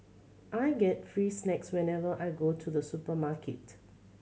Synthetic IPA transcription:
ʔaɪɡɛtfɹiːsnɛkswɛ̃nɛvəʔaɪɡotʰuðəsupəmakʰɪt

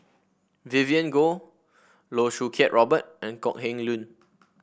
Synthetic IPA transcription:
viviə̃nɡo | loʃukʰɛʔ̚ɹɔbət̚ʔɛ̃nkɔ̰ʔ̚hɛ̃ŋlũn

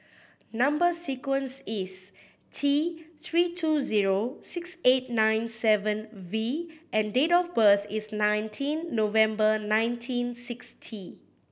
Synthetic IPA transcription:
nãmbəsikwə̃nsis | tʰit̪ʰɹitʰuziɹosikset̚nãj̃nsɛvə̃nviʔɛ̃ndetɔfbəθisnãj̃ntʰĩnːovɛ̃mbənãj̃ntʰĩnsikstʰi

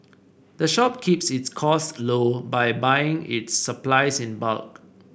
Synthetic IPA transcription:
dəʃɔp̚kʰipsɪtskʰɔslobajbajɪ̃ŋɪ̰tsːəplaɪsɪ̃nba̰lk̚

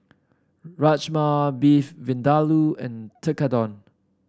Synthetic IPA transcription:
ɹat͡ʃmabifvĩndaluɛ̃ntʰəkadɔ̃n

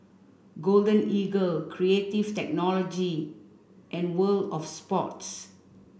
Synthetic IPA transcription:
ɡoldə̃niɡəlkʰɹietivtɛk̚nɔlɔd͡ʒi | ʔɛ̃nwəldɔfspɔts

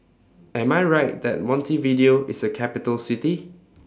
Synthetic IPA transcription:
ɛ̃maɪɹaɪt̚dɛ̰t̚mɔ̃ntividioʔɪsəkʰɛpitəlsiti

